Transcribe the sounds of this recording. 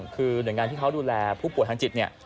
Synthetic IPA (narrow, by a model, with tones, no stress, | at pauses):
ŋkʰɯː˧nɯ˨˩əjŋaː˧nt̪ʰiː˥˩kʰa˦˥wduː˧lɛː˧pʰuː˥˩pu˨˩əjt̪ʰa˧t͡ɕi˨˩t̪̚ni˥˩ɐ